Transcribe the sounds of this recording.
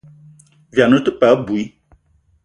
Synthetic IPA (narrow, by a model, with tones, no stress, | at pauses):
va˨nũ˦t̪u˦pɛ˨˦bu˨i˦